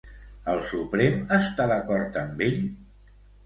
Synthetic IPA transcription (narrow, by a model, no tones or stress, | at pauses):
əlˠsupɾeməst̪aðəkɔɾt̪əmbeʎ